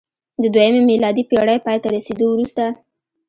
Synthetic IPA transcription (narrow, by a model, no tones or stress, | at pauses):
d̪əd̪wajəmemilɑd̪ipeɽəjpɑjt̪aɾased̪owɾust̪a